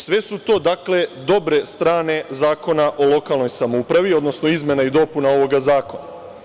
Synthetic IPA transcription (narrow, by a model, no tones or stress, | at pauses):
sʋe̞sut̪o̞ːd̪akle̞d̪o̞bɾe̞st̪ɾaːne̞zaːko̞naʔo̞lˠo̞kalˠno̞jsamoupɾaʋio̞d̪no̞sno̞izmʲje̞naid̪o̞punao̞ʋo̞ɡazaːko̞na